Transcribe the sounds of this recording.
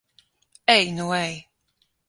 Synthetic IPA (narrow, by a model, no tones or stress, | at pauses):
ɛjnuwɛj